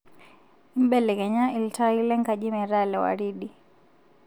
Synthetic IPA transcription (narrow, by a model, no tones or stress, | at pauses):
imɓɛlɛkɛɲailtailɛŋkad͡ʒimɛɾalɛwa̰ɾiɗi